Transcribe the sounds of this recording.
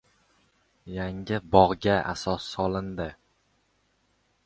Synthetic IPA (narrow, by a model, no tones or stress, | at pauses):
jaŋɪbɒʁɡʲaʔa̰sɒsːɒlˠɪnd̪ɪ